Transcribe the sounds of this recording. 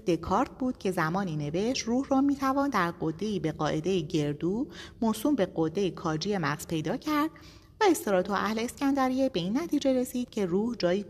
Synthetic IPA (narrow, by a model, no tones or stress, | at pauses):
d̪e̞kʰɒːɾt̪̚ʰbuːd̪̥cʰe̞zæmɒːniːne̞ve̞ʃt̪ruːhrɒːmiːt̪ʰævɒːnd̪æɾɢod̪ːe̞iːbe̞ɢɒːʔe̞d̪e̞jeɟe̞ɾd̪uːmosuːmbe̞ɢod̪ːe̞jekʰɒːd͡ʒije̞mæɣz̥pʰe̞jd̪ɒːcʰæɾd̪̥̚ | væe̞st̪eɾɒːt̪ʰoʔæhleescænd̪æɾijebe̞iːnːæt̪ʰiːd͡ʒe̞ɾe̞siːd̪̥cʰe̞ruːhd͡ʒɒːjiː